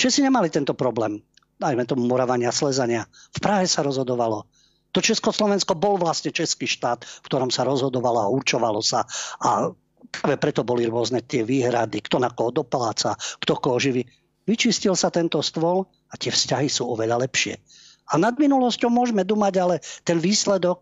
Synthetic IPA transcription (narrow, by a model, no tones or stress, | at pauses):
t͡ʃɛsiɲɛmalit̪ɛnt̪ɔpɾɔblɛːm | d̪ajmɛt̪ɔmumɔɾaʋaɲɪaslɛzaɲɪafpɾaɦɛsaɾɔzɦɔd̪ɔʋalɔ | t̪ɔt͡ʃɛskɔslɔʋɛnskɔbɔlʋlast̪ɲɛt͡ʃɛskiːʃt̪aːt̪fkt̪ɔɾɔmsaɾɔzɦɔd̪ɔʋalɔauɾt͡ʃɔʋalɔsaʔa | pɾaːʋɛpɾɛt̪ɔbɔliɾʊɔznɛt̪ɪɛʋiːɦɾad̪ikt̪ɔnakɔɦɔd̪ɔpalaːt͡sakt̪ɔkɔɔʒiʋi | ʋit͡ʃiscilsat̪ɛnt̪ɔst̪ʋɔl | at̪ɪɛfscaɦisuːɔʋɛʎalɛpʃɪɛ̰ | anad̪minulɔscɔʊmʊɔʒmɛt̪d̪umaɟalɛt̪ɛnʋiːslɛd̪ɔk̚